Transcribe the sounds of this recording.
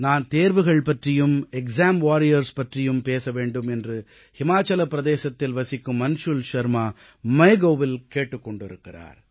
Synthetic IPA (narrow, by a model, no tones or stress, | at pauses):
naːnt̪eːɾʋɯɣɐɭpɐʈrɪjɯmɛksaːmʋaːɾɪjɐɾspɐʈrɪjɯmpeːsɐʋeːɳɖɯmɛndrɯ | hɪmaːt͡ʃːɐlɐpːɪɾɐd̪eːsɐt̪ːɪlʋɐsɪkːɯmːɐnʂʊlʃɐɾmaː | mɐɪɡoːʋɪlkeːʈːɯkːɔɳɖɪɾɯkːɪra̰ːɾ